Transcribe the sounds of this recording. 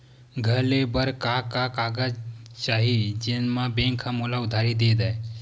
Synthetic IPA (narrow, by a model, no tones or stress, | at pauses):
ɡʱəlebəɾkaːkakaɡat͡ʃaːɦid͡ʒenmãbẽŋkʰhãmolaʊd̪ʱaːɾid̪eːd̪ae